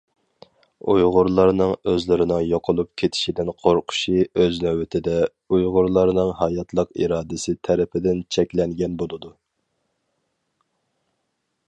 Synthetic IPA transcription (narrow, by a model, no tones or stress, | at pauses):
ujʁʊɾlˠɑɾnɨŋøzlɪɾɪnɪŋjoqʰəlˠup̚kʲʰet̪ʰɪ̥ʃid̪ɪnqʰoɾqʰʊ̥ʃiøznɛwɪt̪ʰɪd̪ɛ | ujʁʊɾlˠɑɾnɨŋɦɑjɑt̪ʰlˠəqiɾɑːd̪ɪsɪt̪ʰæɾɪpʰɪd̪ɪnt͡ʃʰɛkʲlɛŋɡʲɛnbolˠɨd̪u